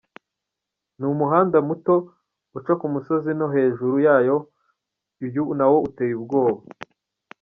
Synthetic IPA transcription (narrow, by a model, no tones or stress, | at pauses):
numuɦaːndamuto̞ | ut͡ʃakumuso̞zinoɦe̞ːʒuɾujaːjo̞ | ijunawo̞utejuβbɡo̞ːβa